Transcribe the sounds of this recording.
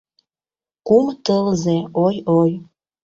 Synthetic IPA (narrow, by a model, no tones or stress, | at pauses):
kumt̪əlzeojoj